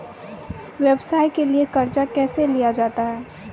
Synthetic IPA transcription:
weːbsaːikeliekɐɾd͡ʒakɛːselijad͡ʒaːt̪aɦɛː

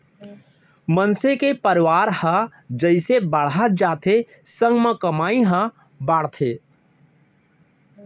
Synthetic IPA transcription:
mənsekepəɾʋaːɾhə | d͡ʒəɪsebəɽ̤ət̪̚d͡ʒaːt̪ʰe | sə̃ŋɡmə̃kəmaːiɦə̃ | baːɽ̤t̪ʰe

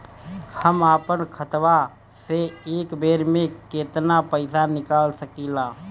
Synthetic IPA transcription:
həmaːpənkʰət̪wa | seeːkbeːɾmẽkeːt̪napəɪsanɪkaːlsəkilaː

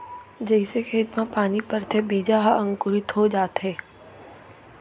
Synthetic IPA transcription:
d͡ʒɐɪsekʰeɪt̪mãpaːnipɐɾt̪ʰebiːd͡ʒaɦaɐ̃ŋkʊɾɪt̪ɦod͡ʒaːt̪ɦɛː

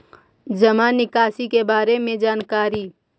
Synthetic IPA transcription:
d͡ʒɐmaːnɪkaːsikebaːɾemẽd͡ʒaːnkaːɾiː

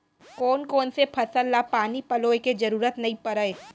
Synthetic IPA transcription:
koːnkoːnsepʰɐsəlːapaːnipɐloːeked͡ʒɐɾuːɾət̪nɐɦĩpɐɾəe

